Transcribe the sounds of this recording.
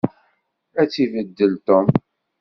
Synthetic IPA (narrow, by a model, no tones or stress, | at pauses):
æt͡sːivəd̪ːəlt̪om